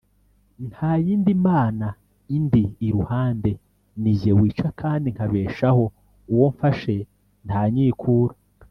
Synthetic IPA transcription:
nhaːjiːndimaːna | indiːɾuhaːnde̞ | nivewiːt͡ʃakʰaːndiŋkaβe̞ːʃaho̞ | uwo̞ɱfaʃe̞ | ntaːɲiːkʰuːɾa

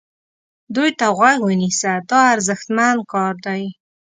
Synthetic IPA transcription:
d̪ujt̪aɣwaɡwənisad̪ɑaɾzəxt̪mand̪̚kɑɾd̪aj

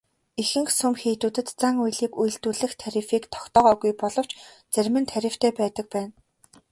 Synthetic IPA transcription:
ixɘ̆ŋxsɵmxeːt̪uːt̪ɘ̆t̪t͡saŋujɮiːkuj̆ɬt̪uːɮɘ̆xt̪ʰæɾʲɪ̆fiːkt̪ʰɔ̥kt̪ɔːʁɔːɣujpɔɮɞ̆w̥t͡ɕ | t͡sæɾʲmɘ̆nt̪ʰæɾʲɪ̆w̥t̪ʰeːpæːt̪ə̆k̚pæːn

